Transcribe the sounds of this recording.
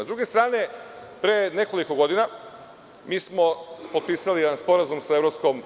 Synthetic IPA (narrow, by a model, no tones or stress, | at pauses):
zd̪ɾuɡest̪ɾaːne̞pɾene̞ko̞liko̞ɡo̞d̪ina | miːsmospot̪̚piːsalijed̪anspo̞ɾazumsaevɾopsko̞m